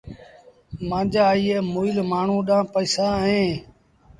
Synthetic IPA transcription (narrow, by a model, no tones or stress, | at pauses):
mãːd͡ʒaːiːeːmoːɪlmaːɳ̤ũːɗãːpəiːsaːɦẽː